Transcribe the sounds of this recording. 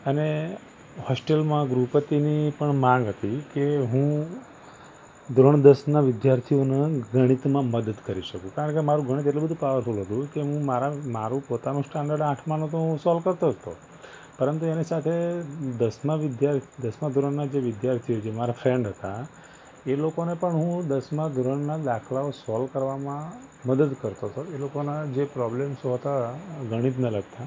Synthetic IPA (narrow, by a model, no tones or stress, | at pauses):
əne | hɔsʈelmãɡɾupət̪inipəɳmãŋɡɦət̪ikeɦũ | d̪ʱɾoɳ̃d̪əsnaʋɪd̪jaɾt̪ʰioneɡʱəɽ̃it̪mãməd̪əd̪kəɾiʃəkũkaɾə̃ɳkemaɾũɡʱəɽ̃it̪eʈlobəd̪ʱũpaʋəɾfʰolɦət̪ũkeɦũmaɾamaɾũpot̪anũsʈãɳɖəɖãʈʰmãnõt̪̬osɔlkəɾt̪oɦət̪o̰ | pəɾənt̪uenisat̪ʰed̪əsmãʋɪd̪jaɾd̪əsmãd̪ʱuɾəɳnad͡ʒeʋɪd̪jaɾt̪ʰiod͡ʒemaɾafɾeɳɖɦət̪a | elokonepəɳɦũd̪əsmãd̪ʱuɾəɳnad̪akʰlaosɔlkəɾʋamã | məd̪əd̪kəɾt̪oɦt̪ʰoelokonad͡ʒepɾɔblemsoɦət̪aɡʱəɽ̃it̪nələɡt̪a